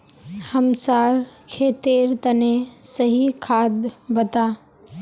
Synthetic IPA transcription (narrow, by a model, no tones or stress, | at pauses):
həmsaːɾkʰeːt̪eːɾt̪ənesəɦikʰaːd̪bət̪aː